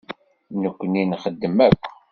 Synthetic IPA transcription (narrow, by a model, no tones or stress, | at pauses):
nəkʷːəninχəd̪ːəmækʷː